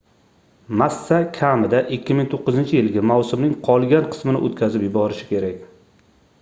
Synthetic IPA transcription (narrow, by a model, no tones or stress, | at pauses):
masːakʲʰamɪd̪aʔɪkʲʰːɪmɪŋt̪ʰoqːɨzɪnt͡ʃʰɪjɪlɡʲamawsɪmnɪŋqʰɒlˠɡʲanqʰɨ̥smɪnɪ̰ʔot̪kʲʰazɪpjɪbɒɾɪʃɪ̥kʲe̞ɾakʲ